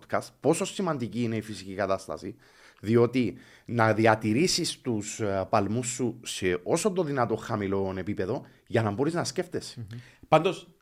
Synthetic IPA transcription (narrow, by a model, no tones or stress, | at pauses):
kɐst̪po̞so̞sːimɐnd̪iciːne̞ifisicikɐt̪ɐst̪ɐ̰si | ðio̞t̪i | nɐðiɐt̪iɾisist̪uspɐlmusːuse̞ʔo̞sont̪oðinɐt̪o̞xɐmilo̞ne̞pipe̞ðo̞ | ʝɐnɐmbo̞ɾiznɐsce̞ft̪e̞spɐnd̪o̞s